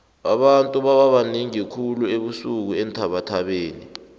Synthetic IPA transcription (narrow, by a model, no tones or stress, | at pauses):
ɓa̰ɓantʼuɓaɓaɓaniŋikʰulueɓusuk̬uɛntʰaɓatʰaɓeːni